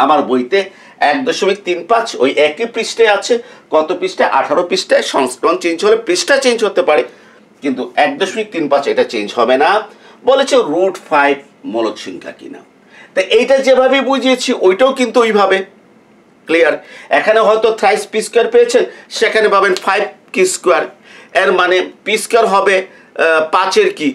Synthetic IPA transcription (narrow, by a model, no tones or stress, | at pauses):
amaɾbojt̪e | ɛk̚d̪oʃomik̚t̪inpat͡ɕʰo̰jʔɛkipɾisʈeat͡ɕʰeɡ̥ɔt̪opɾisʈaʔa̰ʈʰaɾopɾisʈaeʃɔŋsʈɾɔnt͡ɕend͡ʑʰɦolepɾisʈat͡ɕend͡ʑɦot̪epaɾe | kint̪uɛk̚d̪oʃomik̚t̪inpat͡ɕejʈat͡ɕend͡ʑɦɔbena | bolet͡ɕʰenɾuɖfajb̚ | moloʃʰinka̰kḭna̰ | t̪ajʔejʈad͡ʑebʱabebud͡ʑʱiet͡ɕʰiʔojʈaokint̪uejbʱabe | klijaɾekʰaneɦɔjt̪ot̪ʰɾajspiskaɾpejet͡ɕʰenʃekʰanebʱabenfʰajb̚kiskwaɾeɾmanepiskaɾɦɔbe | pãt͡ɕeɾki